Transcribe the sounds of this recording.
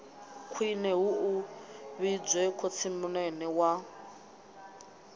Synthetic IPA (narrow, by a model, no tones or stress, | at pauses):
kʰwinɛɦuuβid͡zwɛkʰot͡sʰimunɛnɛwa